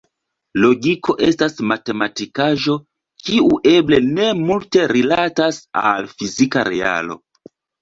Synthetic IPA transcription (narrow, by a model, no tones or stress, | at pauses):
lo̞ɡikʰo̞ʔe̞stasmate̞matikaʒo̞ | kiuʔe̞ble̞ne̞multe̞ɾilatasa̰lfizikaɾea̰lo̞̰